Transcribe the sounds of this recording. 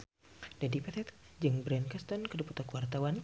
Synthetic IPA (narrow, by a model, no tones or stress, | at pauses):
d̥adipɛt̪ʰɛt̪d͡ʒɨŋbɾɛnkast̪ɔnkədupu̥t̪ɔkwart̪awan